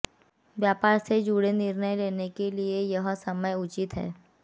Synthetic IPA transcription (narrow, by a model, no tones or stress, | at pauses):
ʋjaːpaːɾsed͡ʒuːɽenɪɾnəjleːnekeliejɐɦsɐməjʊt͡ʃɪt̪ɦɛ̰ː